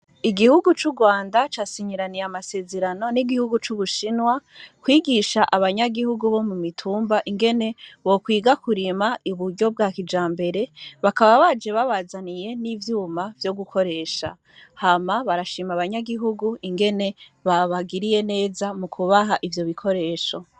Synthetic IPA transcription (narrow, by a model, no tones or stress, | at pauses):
iɡihuɡut͡ʃuɡwaːndat͡ʃasiɲiɾanijamase̞ːze̞ɾano̞niɡihuɡut͡ʃuβuʃinwakwiːɡiʃaʔaβaɲaɡihuɡuβo̞mumitʰuːmbaʔiŋɡe̞ne̞βo̞kwiːɡakuɾimaiβuɾɟo̞b̚ɡaːkid͡ʒaːmbe̞ɾe̞βakaβaβad͡ʒe̞βaβazanije̞nivjuːmavjo̞ɡukʰo̞ɾe̞ʃa̰ | hamaβaɾaʃimaβaɲaɡiɦuɡuiŋɡe̞ne̞βaβaɡiɾije̞ne̞ːzamukʰuβaɦaʔivjo̞βikʰo̞ɾe̞ːʃo̞